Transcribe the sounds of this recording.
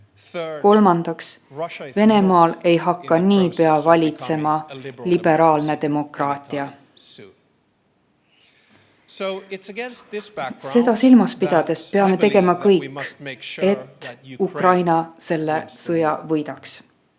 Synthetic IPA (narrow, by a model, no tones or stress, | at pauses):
ko̞lmɑnd̪̥ɑksve̞ne̞mɑːle̞jɦɑkːɑniːpe̞ɑvɑlʲit̪se̞mɑlib̥e̞ɾɑːlne̞d̪e̞mo̞krɑːt̪ʲˑiɑ | se̞d̪̥ɑsilmɑspid̪̥ɑd̪̥e̞spe̞ɑme̞t̪e̞ɡe̞mɑkɤjkkːˑe̞t̪ːukrɑjnɑse̞lːe̞sɤjɑvɤjd̪ɑks